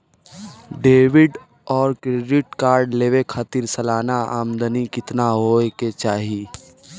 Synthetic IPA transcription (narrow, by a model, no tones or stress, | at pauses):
ɖeːʋɪɖ | ɔːɾkɾeɖɪʈkaːɾɖleːʋekʰaːt̪iɾsəlaːnaaːmd̪ənikɪt̪naɦoːeket͡ʃaːɦi